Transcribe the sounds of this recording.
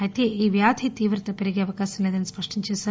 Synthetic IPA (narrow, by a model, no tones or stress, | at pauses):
ɐt̪iiːʋjaːd̪ʱit̪iːʋɾɨt̪ɐpeɾiɡeɐʋɐkaːsɐnːed̪ɐnːɐspɐʂʈiɲt͡ʃisɐ